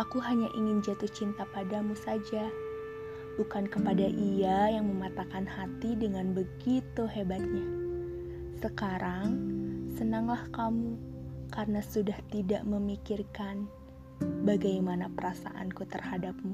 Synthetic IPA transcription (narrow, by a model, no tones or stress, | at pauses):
ʔakuɦaɲaʔiŋɪnd͡ʒat̪uht͡ʃint̪apadamusad͡ʒa | bukankəpadaʔiajaŋməmat̪akanhat̪idəŋanbəɡit̪uɦebat̪̚ɲa | səkaɾaŋsənaŋlahkamukarənasudaht̪idaʔməmikirkan | baɡajmanapəɾasa̰ʔa̰nkut̪ərhadap̚mu